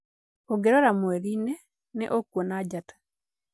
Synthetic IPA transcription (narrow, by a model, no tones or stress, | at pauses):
oɡeɾoɾamweɾine | nḛʔokwɔnaɟatḁ